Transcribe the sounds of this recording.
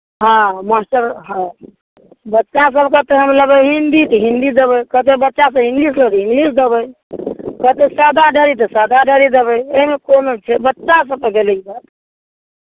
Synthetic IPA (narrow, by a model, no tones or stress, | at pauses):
ɦãmasʈəɾɦã | bətːt͡ʃas̬əbkət̪eɦəmləbəjɦind̪it̪əɦind̪id̪ebəjkət̪ebətːʃas̬əbĩŋɡlisləbɛĩŋɡlisd̪ebəj | kət̪esad̪ʱaɖʱəɾit̪̬əsad̪ʱaɖʱəɾid̪ebəjeɦmekonot͡ʃʰɛbətːt͡ʃas̬əb̚p̪əɡelekbat̪